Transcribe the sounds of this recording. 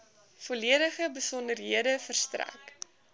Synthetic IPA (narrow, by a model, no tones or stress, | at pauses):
foliəɾəχəbəsɔndərɦiədəfərstræ̰k